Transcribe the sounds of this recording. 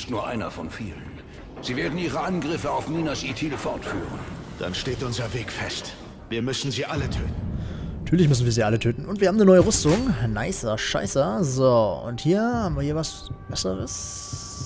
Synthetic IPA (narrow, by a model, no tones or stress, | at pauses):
ɪstnuːɐʔa̰ɪnɐfɔnfiːlən | z̥iːveːɐdn̩iːʁəʔanɡʁɪfəaʊfmiːnasʔitʰiːləfɔɐtfyːʁən | d̥a̰nʃteːtʔʊnzɐveːkfɛst | viːɐmʏsn̩ziːʔalətʰøːtn̩natʰyːɐlɪçmʏs̬n̩viɐziːʔalətʰøːtn̩ʊntviːɐhaːbmnənɔʏəʁʏstʊŋnaɪsɐʃa̰ɪsəzoːʊ̰nthiːɐhaːbm̩viːɐhiːɐvas | b̥ɛsəʁəs